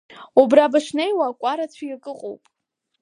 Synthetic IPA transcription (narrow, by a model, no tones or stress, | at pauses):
ubrabaʂnejwaːkʷʼaɾat͡sʷʰajkʼɨqʼo̰wpʼ